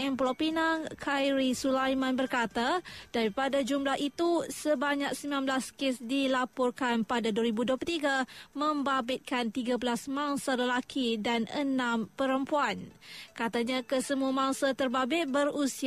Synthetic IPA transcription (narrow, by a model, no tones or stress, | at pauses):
ɛmplopinaŋkʰajɾisulajmãnbərkat̪ad̥aɾipadad͡ʒumlahʔit̪usəbaɲak̚səmilãmblaskɪsdilapɔrkanpadaduəɾibuduplət̪iɡamə̃mbabɪt̪̚kant̪iɡabəlasmãŋsaləlakʰidanə̰nãmpəɾəmpuankat̪aɲãkəsəmuamãŋsat̪ərbabɪt̪̚bərusi